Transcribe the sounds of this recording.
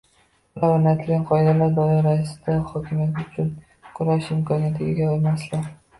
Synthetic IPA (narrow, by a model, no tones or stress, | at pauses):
lawanijat̪ʰɪlʲanqʰɒjɪd̪alaɾd̪ɒɪɾaɪsɪ̥d̪̥aχɒkʲʰɪmijat̪ʊt͡ʃʰʊn | qʰʊɾaʃɪmkɒnijat̪ʰɪɡʲaɒlmaslɪ